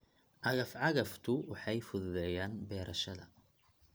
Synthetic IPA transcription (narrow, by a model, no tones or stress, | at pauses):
ʕɑɣɐfʕɑɣɐft̪ʰʊwɑħɑjfʊðʊðɛjaːnbɛːɾʔɐʃɐðɐ̰